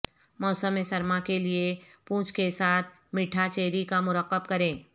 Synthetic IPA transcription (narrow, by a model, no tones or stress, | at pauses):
mɔːsəmẽsɐɾmakeliepũːt͡ʃkesaːt̪̚ʰ | mɪʈʰat͡ʃeːɾikamʊɾəqːəb̚kɐɾẽː